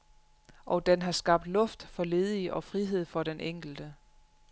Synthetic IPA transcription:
ʔɒ̽d̥enɦɑ̈sɡ̥ɑ̈b̥̚d̥lɔ̽fd̥fɒ̽le̝ːð̞ˠiʔɒ̽fʁiɦe̝ð̞̰ˠfɒ̽ɾ̥enʔeŋ̰ɡ̥l̩d̥ə

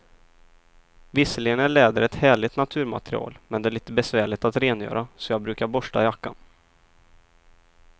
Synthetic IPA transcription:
vɪsːəlɪɡənæɭɛːd̪əɾɛt̪hæːɭɪt̪nat̪ʰʉ̟ːɾma̰t̪ɾɪ̰ɑ̰ːlmɛnd̪ɛæɭiːt̪əbɛsvæːɭɪt̪at̪ɾeːnjœ̰ːɾʔasɔjɑːɡ̚bɾʉ̟ːkaɾbɔʂʈa̰jakːa̰n

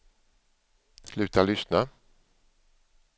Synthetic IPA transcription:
slʉ̟ːt̪alʏsna

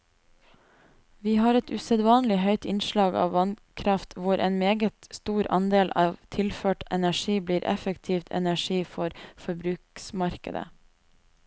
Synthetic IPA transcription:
ʋiːhɑːɾɛt̪ʉsɛd̪ʋɑːnlɪɦœʏt̪ɪnʃlɑːɡɑ̰ːʋʋɑnkʰɾɑft̪ʰʋʊɾʔḛːnmeːɡət̪st̪uːɾɑnd̪eːlʔɑːʋt̪ʰɪlføːʈɛnæʃiːbliːɾʔɛ̰fəkt̪ʰiːft̪ʰɛ̰næʃiːfɔɾfɔɾbɾʉːksmɑɾkə̰d̪ə̰

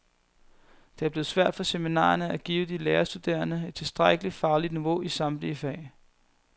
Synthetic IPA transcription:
d̥eæɐb̥le̝ːð̞̩ˠsʋæɐ̰d̥fɒ̽seminɑ̰̈ːɐnəæɡ̥ḭːʊəd̥ileːɐsd̥ud̥e̝̰ːɐnəe̝d̥̚t͡sʰe̝lsd̥ʁaɡ̥əli̥fɑ̈ːlid̥niʋo̝ʔisɑ̈mb̥lifɛ̰ɪ

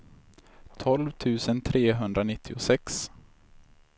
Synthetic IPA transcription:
t̪ʰɔlvt̪ʰʉ̟ːsənt̪ʰɾeːɦɵnd̪ɾanɪt̪ʰːɪʊsɛks

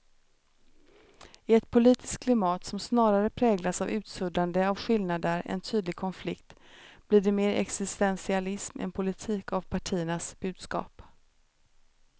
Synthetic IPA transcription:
ɪɛt̪pʰʊliːt̪ɪ̥skkʰlɪmɑːt̪sɔmsnɑːɾaɾəpʰɾɛːɡlasavʉ̟ːt̪sɵd̪and̪əavɧɪlnad̪əɾɛ̰nt̪ʰyːd̪lɪɡkʰɔnflɪkt̪ | bliːɖɛmeːɾʔɛ̰ksɪst̪ɛnsɪalɪsmɛ̰npʰʊlɪt̪ʰiːkavpʰaʈʰiːəɳasb̥ʉ̟ːd̪skɑ̰ːp

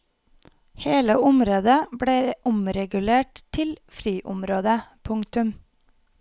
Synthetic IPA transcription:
heːləʊmɾoːd̪əbɽeːʔʊmɾɛɡʉleːʈt̪ʰɪlfɾyːʔʊmɾoːd̪əpʰʊŋt̪ʉm

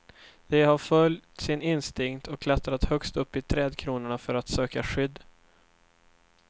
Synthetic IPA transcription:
d̪̥ɛhaɾfœljt̪sɪnɪnst̪ɪŋt̪ʰɔkʰːlat̪ɾat̪hœkst̪ɵpːɪt̪ʰɾɛːd̪kʰɾuːnəɳafœɾat̪søːkaɧʏd̪ː

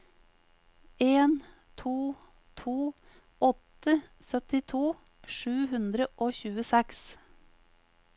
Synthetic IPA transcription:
eːn | t̪ʰuː | t̪ʰuː | ɔt̪əsœt̪ɪt̪ʰuː | ʂʉːhʉnd̪ɾəʔoːçʉːəsɛks

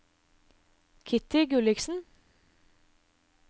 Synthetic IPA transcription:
kʰɪt̪ɪɡʉlɪksn̩

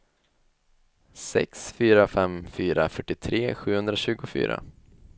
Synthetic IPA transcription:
sɛ̰ksfyːɾafɛmfyːɾafœʈːɪt̪ʰɾeːɧʉ̟ːhɵnd̪ɾaɕʉ̟ːɡʊfy̰ːɾa̰

